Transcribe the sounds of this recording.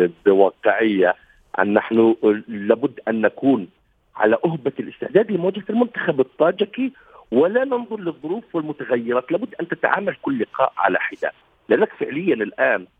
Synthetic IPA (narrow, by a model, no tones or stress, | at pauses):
bɪwɑːqɪʕɪjːa | ʔa̰nːaħnʊlaːbʊd̪ːʔanːakuːn | ʕa̰laʔʊɦbalʔɪst̪ɪħd̪æːd̪lɪmʊwad͡ʒhalmʊnt̪ḁxabɨt̪ˤːɑːd͡ʒaki | wɪlanɪnðˤʊɾˤlɨðˤːʊɾuːfwɪlmʊt̪aɣajːɪɾɑːt̪laːbʊd̪ːʔant̪ɪt̪ʕa̰ːmalkʊlːɪqɑ̰ːʔʕa̰la̰ħɪd̪a̰ | lɪʔanːakfɪʕlɪjːanɪlʔaːn